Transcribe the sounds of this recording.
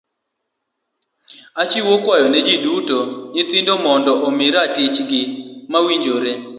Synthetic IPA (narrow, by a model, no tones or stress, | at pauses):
at͡ʃiwokwajɔnɛd͡ʒidutoɲɪt̪indomɔndɔʔomɪɾatɪt͡ʃɡɪmawiɲd͡ʒoɾe